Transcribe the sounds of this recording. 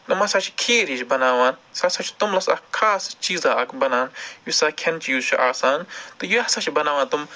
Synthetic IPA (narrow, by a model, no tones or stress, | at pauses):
t̪ɐmɐsɐːt͡ʃʰi̥kʰeːɾit͡ʃbɐnaːʋaːnsɐsɐt͡ʃʰi̥t̪umlɐsɐkʰaːst͡ʃiːzaːɐkbɐnaːnjisaːkʲʰɐnt͡ʃijuːzt͡ʃʰuʔaːsaːnt̪ujuɐsɐt͡ʃʰibɐnaːʋaːnt̪um